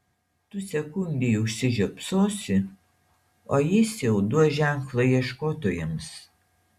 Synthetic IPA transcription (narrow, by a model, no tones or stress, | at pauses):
t̪ʊsʲɛkʊnʲd̪ʲejʊʃʲsʲɪʒʲɛpsoːsʲɪ | oːjɪsjɛʊd̪uɔʒʲæˑŋklˠɐiɛʃkoːt̪ojɛms